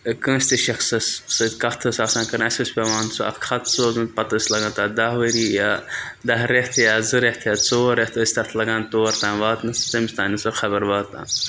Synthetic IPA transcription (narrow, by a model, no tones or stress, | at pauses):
kə̃ːsʲt̪iʃɐxsɐssɐd̪ʲkɐht̪ʰɨsaːsãːnkɐɾnasʲkɐsʲpʲeʋãːnsuʔɐ̰t̪kʰɐt̪ʰsoːzɨnt̪pɐt̪əsʲlɐɡãːnt̪aːd̪aʋəɾiːjaːd̪ɐɦɾeht̪ʰjaːzɨɾeht̪ʰjaːt͡soːɾeht̪ʰəsʲt̪ɐt̪ʰlɐɡãːnt̪oːɾt̪ãːnʋaːt̪nɨst̪ɐmisʲt̪ãːnɨsɐxʰɐbɐɾʋaːt̪ːã̰ːn